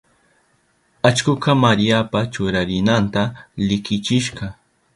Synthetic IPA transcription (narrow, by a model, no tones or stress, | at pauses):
at͡ʃkʊkɑmaɾijapat͡ʃʊɾaɾɪnant̪alɪkɪt͡ʃɪʃɢɑ